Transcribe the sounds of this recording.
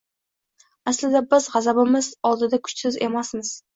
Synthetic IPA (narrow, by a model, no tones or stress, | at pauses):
aslɪd̪abɪzʁɑzabɪmɪzɒlˠd̪ɪd̪akʰʊ̥t͡ʃsɪze̞masmɪz̥